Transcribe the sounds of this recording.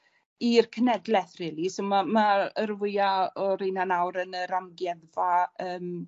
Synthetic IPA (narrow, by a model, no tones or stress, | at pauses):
irkʰənɛdlɛθr̥ɪːlˠisomamaərvʊjaɔɾejnanawɾənəɾamɡjɛðvaəːm